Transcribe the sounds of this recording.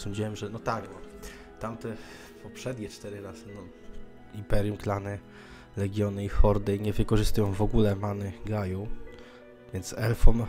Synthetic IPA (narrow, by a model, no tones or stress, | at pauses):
sɔɲd͡ʑiwɛmʐɛnɔt̪aɡnɔ | t̪amt̪ɛ | pɔpʂɛd̪ɲɛt͡ʂt̪ɛɾɘɾaz̥ɘnɔ | impɛɾjumklanɛ | lɛɡʲjɔnɘixɔɾd̪ɛjɲɛvɘkɔʐɘst̪ujɔ̃w̃vɔɡulɛmanɘɡaju | vʲjɛnt̪sɛlfɔm